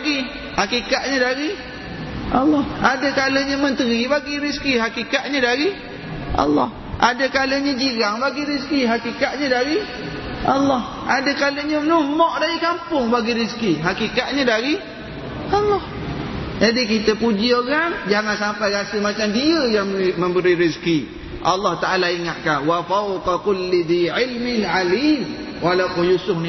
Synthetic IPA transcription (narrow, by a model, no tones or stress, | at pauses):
ɡi | hakikatʔ̚ɲədaɾi | ʔalːɔhʔadəkaləɲəmənt̪əɾibaɡiɾiskiɦakikaʔ̪̚ɲədaɾi | ʔa̰lːɔ̰h | ʔadəkaləɲəd͡ʒiɾaŋbaɡiɾiskiɦakikaʔ̪̚ɲədaɾi | ʔalːɔh | ʔadəkaləɲənumɔʔdaɾikampʊŋbaɡiɾiskiɦakikat̪̚ɲədaɾi | ɑlːɑh | d͡ʒadik̬it̪əpud͡ʒioɣaŋd͡ʒaŋansampajɾasəmat͡ʃamdiəjaŋmə̃mbəɾiɾiski | ʔɑlːɑht̪aʔalaiŋat̪̚kanwafawqakʊlːid̪iʕɪlmɪnʕaliːm | walaqujusʊhni